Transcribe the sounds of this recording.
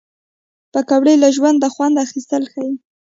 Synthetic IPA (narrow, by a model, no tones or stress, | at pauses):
pəkawɽejlaʒwand̪ːəxwand̪axist̪əlxaji